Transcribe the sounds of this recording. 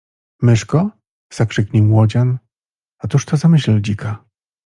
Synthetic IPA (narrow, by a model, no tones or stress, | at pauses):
mɘʂkɔ | z̥akʂɘkɲʲimwɔd͡ʑan | ɔt̪uʂt̪ɔzamɘɕlid͡ʑikʰa